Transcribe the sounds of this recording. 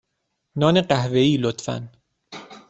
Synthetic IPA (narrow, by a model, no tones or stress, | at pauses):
nɒːneqæhveiːlot̪fæ̰n